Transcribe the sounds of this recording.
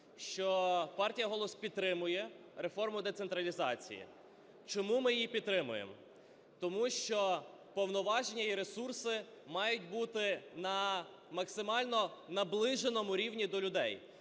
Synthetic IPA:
ʃt͡ʃɔpɑrtʲijɐɦɔlˠɔspʲid̪t̪ɾɪmʊjɛ | ɾefɔrmʊd̪et̪sent̪ɾɐlʲizɑt͡sʲḭjḭ | t͡ʃɔmumɪjjipʲid̪t̪ːɾɪmʊjḛm | t̪ɔmuʃt͡ʃɔ | pɔwnɔʋɑʒenʲːɐiɾe̞sursɪ | mɑjʊt̚ʲbut̪ɪnɐ | mɐksɪmɑlʲnɔnɐblˠɪʒenɔmʊɾʲiwnʲid̪ɔlʲʊd̪ɛj

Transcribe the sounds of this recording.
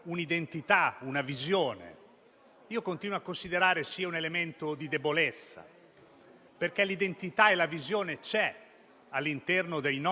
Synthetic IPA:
unid̪ent̪it̪aunavizjoːnḛ | iːokont̪iːnwoakːonsid̪eɾaːɾesiːaunelement̪od̪id̪ebolɛt̪sːa̰ | perk̟ɛlid̪ent̪it̪aelavizjoːnet͡ʃɛ | alːint̪ɛrnod̪ejn

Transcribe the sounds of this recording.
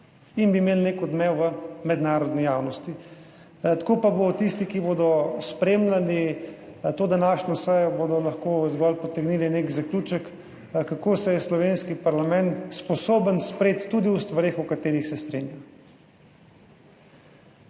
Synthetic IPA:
inbimeːlnekɔd̪mɛwʋəmɛd̪naːɾɔd̪nijaːwnɔst̪i | t̪ḁkoːpabot̪ist̪ikiboːd̪ɔspɾeːmlʲali | t̪oːd̪anaːʃnɔsɛjɔbod̪ɔlaxkozɡɔlpɔt̪ɛɡniːlinekzaklʲuːt͡ʃək | kːakosɛjɛslɔʋenskipaɾlamɛ̃nt̪spɔsoːbənspɾeːt̪ːuːd̪iwst̪ʋaɾeːxukat̪eːɾixsɛst̪ɾeːnja

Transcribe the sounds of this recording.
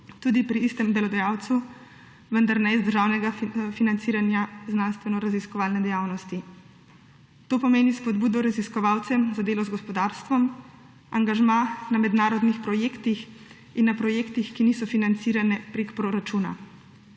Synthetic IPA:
t̪ud̪ipɾiist̪ɛmd̪ɛlɔd̪ajawt̪su | ʋənd̪aɾnɛizd̪əɾʒaːwnɛɡafinant̪siːɾanjaznanst̪ʋɛnɔɾaziskɔʋaːlnɛd̪ɛjawnɔst̪i | t̪oːpɔmeːnispɔd̪buːd̪ɔɾaziskɔʋawt̪sɛmzad̪eːlɔzɡɔspɔd̪aɾst̪ʋɔm | aŋɡaʒmãnamɛd̪naːɾɔd̪nixpɾɔjeːkt̪ix | inːapɾɔjeːkt̪ixkiniːsɔfinant̪siːɾanɛpɾekpɾoɾat͡ʃuna̰

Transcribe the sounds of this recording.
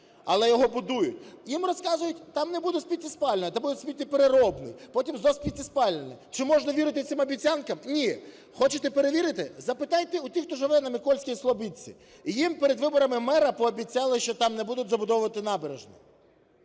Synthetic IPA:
ɐlˠɛjɔɦɔbʊd̪ujʊtʲjimrɔskɑzʊjʊtʲt̪ɑmnebud̪ʊsʲpʲitʲːispɑlʲnnɛt̪ɐmbud̪ʊsʲpʲitʲːipeɾeɾɔbnɪ̰jpɔtʲimzɔsʲpʲitʲispɑlʲnenɛt͡ʃɪmɔʒnɐʋʲiɾɪt̪ɪsɪmɐbʲit͡sʲankɐmnʲi | xɔt͡ʃet̪ɛpeɾe̞ʋʲiɾɪt̪ɪzɐpɪt̪ɑjt̪ɛutʲixt̪ɔʒɪʋɛnɐmɪkɔlʲsʲkʲijislˠɔbit͡sʲḭ | jimpeɾed̪ʋɪbɔɾɐmɪmɛɾɐpɔːbʲit͡sʲːɑlˠɪʃt͡ʃɔt̪ɑmnɛbud̪ʊtʲzɐbʊd̪ɔʋʊʋɐt̪ɪnɑbeɾeʒnɛ̰

